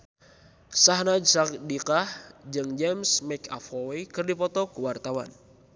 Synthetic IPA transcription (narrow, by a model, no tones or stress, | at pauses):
saɦnad͡ʒsak̚dikahd͡ʒɨŋd͡ʒɛmsmɛka̰fɔwekɨrdipɔt̪ɔkəwart̪awa̰n